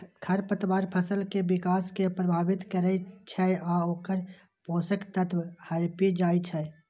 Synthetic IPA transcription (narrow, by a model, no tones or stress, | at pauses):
kʰəɾpət̪ʋaːɾpʰəsəlkebikaːskepɾəbʱaːbɪt̪kəɾɛt͡ʃʰɛaoːkəɾ | põːsəkt̪ət̪whəɾpid͡ʒaːit͡ʃʰɛ